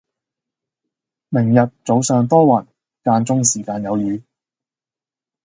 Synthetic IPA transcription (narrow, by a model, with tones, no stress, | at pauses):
mɪ˨˩ŋjɐ˨t̚t͡so˨˧wsœː˨ŋt̪ɔː˥wɐ˨˩n | kaː˧nt͡sʊ˥ŋsiː˨˩kaː˧njɐ˨˧wjyː˨˧